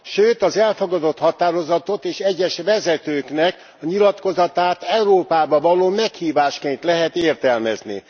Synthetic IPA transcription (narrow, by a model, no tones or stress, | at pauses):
ʃøːt̪ɒzɛlfoɡɒd̪o̞t̪hɒt̪aːɾo̞zɒt̪ot̪eːʃɛɟːɛʃvɛzɛt̪øːknɛk | ɒɲilɒt̪ko̞zɒt̪aːt̪ɛuɾoːpaːbɒvɒloːmɛkhiːvaːʃkeːnt̪lɛɦɛt̪eːrt̪ɛlmɛ̰znḭ